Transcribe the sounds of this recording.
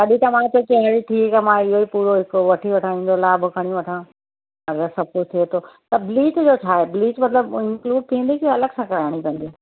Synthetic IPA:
k̪ɐɗit̪ɐmãt̪okɐ̃ɦɽit̪ʰiekɐmãɪɦoipuːɾoɦɪkoʋɐʈʰiʋɐʈʰaĩːn̆d̪olaːbʊkʰɐɽ̃iʋɐʈʰãː | ɐɡɐsɐb̚kʊd͡ʑt̪ʰiet̪ʰot̪ɐbliːt͡ɕd͡ʑoːt͡ɕʰaːɦebliːt͡ʃmɐt̪ləbɪ̃ŋkluːɖ̚t̪ʰĩːn̆d̪ikiɐləɡsãkɐɾaːɽ̃ipɐ̃nd̪i

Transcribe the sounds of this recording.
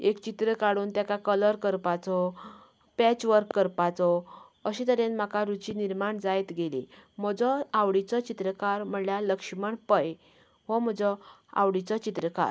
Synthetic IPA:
ekt͡ɕit̪ɾəkaɽuːnt̪jakakələɾkəɾpat͡sɔ | pɛt͡ɕʋəɾkːəɾpat͡sɔəɕit̪əɾenm̤akaɾut͡ɕiniɾmaɳd͡zajt̪ɡelḭm̤ɔd͡zɔawɽit͡sɔt͡ɕit̪ɾəkaɾm̤əɳljaləkʂməɳpəj | ɦɔm̤ɔd͡zɔa̰wɽit͡sɔt͡ɕit̪ɾəka̰ɾ

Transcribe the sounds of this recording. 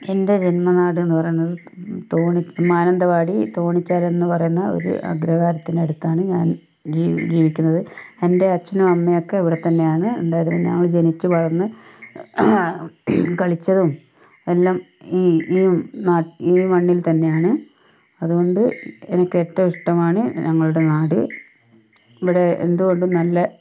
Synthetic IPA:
ende̞d͡ʑenmɐnaːɽɨe̞nːɨpɐrɐjunːɐðɨ | t̪oːɳimaːnɐnd̪ɐʋaːɽit̪o̞ːɳit͡ɕːaːle̞nːɨpɐrɐjunːɐo̰ɾṵʔɐ̰ɡɾɐɣaːɾɐt̪ːineɽut̪ːaːɳɨɲaːn | d͡ʑid͡ʑiːʋikʲːunːɐðɨe̞nde̞ɐt͡ɕːɐnɐmɐmːejokːe̞ɐʋiɽe̞t̪ːɐnːe̞jaːɳɨeɳɖaːjɐɾunɨɲɐ̰ŋːɐɭd͡ʑe̞nit͡ɕːuʋɐɻɐnːɨ | kɐɭit͡ɕːɐðum | e̞lːaːm | iːiːnaːʈiːmɐɳːilt̪ɐnːe̞jaːɳɨ | ɐðuɣo̞ɳɖɨenɐkːeʈːɐmiʂʈɐmaːɳɨɲʔɐŋːɐɭuɽe̞naːɽɨ | iʋiɽe̞ḛnd̪uɣo̞ɳɖumnɐlːɐ

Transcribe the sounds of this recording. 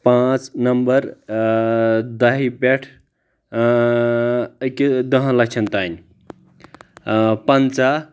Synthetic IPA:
pãt͡snəmbəɾ | d̪ɐɦibeʈʰ | ked̪əɦə̃lək̚t͡ʃʰənt̪an | pənt͡sa

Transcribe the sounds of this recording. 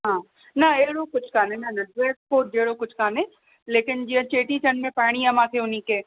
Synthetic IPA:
ɦãː | nɐeːɽokʊt͡ʃʰkaːnẽnɐnɐdeːk̚poːɾd͡ʒeːɽokʊt͡ʃʰkaːnẽ | leːkɪnd͡ʒiɐ̃t͡ʃeːʈit͡ʃɐnmẽpaːɽ̃iamãːkʰeʊniːkeː

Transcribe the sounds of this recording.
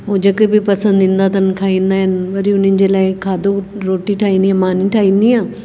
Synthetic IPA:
ɦoːd͡ʒɐkebipɐsə̃nd̪ĩːnd̪aːt̪ɐnkʰaːĩːnd̪aːɦɪnʋɐɾiʊnənɪ̆d͡ʑeːlaːɪkʰaːd̪oɾoːʈiʈʰaːĩːnd̪iːãːmaːnĩːʈʰaːĩːnd̪iãː

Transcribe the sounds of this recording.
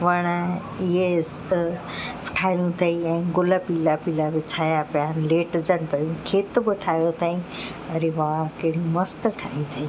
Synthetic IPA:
ʋɐɽ̃ | ɪɦes | ʈʰaːjũt̪ʰɐiɛ̃ːɡʊləpiːlapiːlaʋɪt͡ɕʰaːjapjanleːʈd͡ʑəɽ̃pɐjũkʰeːt̪bɪʈʰaːjot̪ʰaːĩɐɾeʋãkeɽijũmɐst̪ʈʰaːĩt̪ʰɐɦĩ

